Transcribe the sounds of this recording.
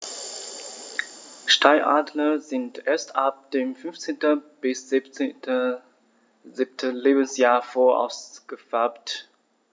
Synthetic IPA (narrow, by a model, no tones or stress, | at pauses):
ʃtʰaɪʔa̰ːdlɐzɪntʔeːɐstʔap̚d̥eːmfʏnft͡seːntəb̥ɪs | zɪp̚tʰəleːbən̩sjaːɐfoːɐʔa̰ʊsɡ̥əfɛɐpt